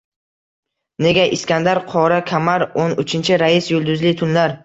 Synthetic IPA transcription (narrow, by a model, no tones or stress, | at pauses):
ne̞ɡʲaʔɪskʲand̪aɾqʰɒɾakʲʰamaɾonʊt͡ʃʰɪnt͡ʃʰɪɾaɪsjʊlˠd̪ʊzlɪt̪ʰʊnlaɾ